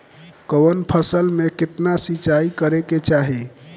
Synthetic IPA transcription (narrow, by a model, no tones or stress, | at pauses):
kəwənpʰəsəlmekɪt̪nasit͡ʃaikəɾeket͡ʃaɦi